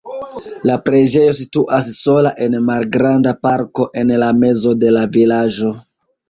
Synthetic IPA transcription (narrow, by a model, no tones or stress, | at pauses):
lapɾe̞d͡ʒe̞jo̞s̬ituʔasːo̞laʔe̞nmalɡɾandapaɾko̞ʔe̞nlame̞zo̞de̞lavilad͡ʒo̞